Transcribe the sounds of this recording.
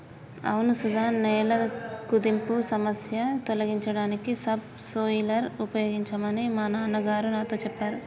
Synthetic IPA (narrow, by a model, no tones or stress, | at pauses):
ɐ̰wnusud̪ʱaːnːɛːlɐkud̪impusɐmɐsjɐt̪olɐɡiɲt͡ʃɐɽaːnikisɐb̚soːjilɐɾupɐjoːɡiɲt͡ʃɐmɐnimaːnaːnɐɡaːɾunaːt̪o̞ːt͡ʃɛpːaːɾu